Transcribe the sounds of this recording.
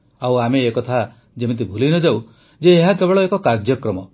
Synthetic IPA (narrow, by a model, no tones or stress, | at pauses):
awameːkɔt̪ʰa | d͡ʒemit̪̬ibʱulinɔd͡ʒaw | d͡ʒeːɦakebɔɭɔekɔkaɾd͡ʒjɔkɾɔmɔ